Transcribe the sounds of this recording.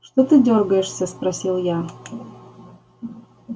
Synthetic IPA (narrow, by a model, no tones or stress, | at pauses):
ʂt̪ot̪ɨdʲorɡəjɪʂsʲəspɾɐsʲilˠja